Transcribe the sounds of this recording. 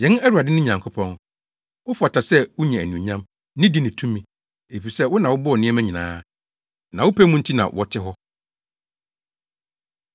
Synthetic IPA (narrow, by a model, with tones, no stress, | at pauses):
jɛ̃˨˦næ˦ɾu˨a˨dɪ˦nʊ̃˦ɲã˨ŋkʰʊ˦pʰɔ̃˦ŋ | wʊ˦fʊ˨a˨tʰa˨sɛ˦wʊ˦ɲɛ̃˨æ˨nũ˨ɲã˦m | nɪ̃˦di˦nɪ̃˨tʰũ˦mĩ˨ | e˨fi˨sɛ˦wʊ˦nã˨wʊ˦bʊ˦ɔ˨nɪ̃˦ɛ˦mæ̃˦ɲĩ˨nã̰ː˦ | nã˨wʊ˦pʰæ˦mũ˦n̩˦tʰi˦nã̰˨wʔɔ˦tʰɪ˦ɦɔ˦